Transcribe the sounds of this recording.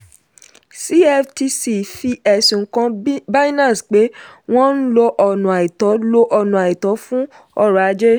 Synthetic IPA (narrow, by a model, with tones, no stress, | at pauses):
si˦ɛ˦fti˧si˧fi˦ɛ˧˨sũ˨˦kã˧ba˦nã˦˨sk͡pe˨˦w̃ɔ̃˦n̩˦lo˧ʔɔ˧nũ˨a˨i˨tɔ˨˦lo˦ʔɔ˧nũ˨a˨i˨tɔ˨˦fũ˦ | ɔ˦ɾa˨˦d͡ʒe˦